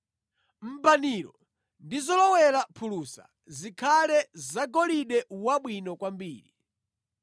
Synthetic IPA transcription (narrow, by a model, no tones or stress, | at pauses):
m̩baniɾɔ | ndizɔlɔwɛɾapʰulusa̰ | zikʰalɛzaɡɔliɗɛwaɓwinɔkwambḭːɾi